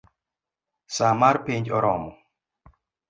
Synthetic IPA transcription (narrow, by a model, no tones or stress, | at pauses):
samaɾpiɲd͡ʒɔɾɔmɔ